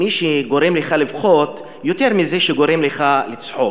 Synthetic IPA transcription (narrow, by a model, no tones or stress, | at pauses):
iʃeɡo̞ɾemleχalivχot̪ | jot̪eʁmizeʃeɡo̞ɾe̞mleχalit͡sħo